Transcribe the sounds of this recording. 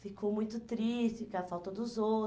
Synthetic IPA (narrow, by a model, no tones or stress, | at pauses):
fikʰowmũj̃t̪ʊt̪ɾist͡ʃɪkɐfawt̪ɐd̪ʊzo